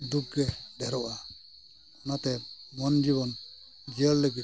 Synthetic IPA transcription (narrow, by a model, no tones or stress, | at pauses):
d̪uɡɛdɛɾɔʔa | ɔnat̪ɛmɔnd͡ʒiβɔn | d͡ʒiəlːɛɡi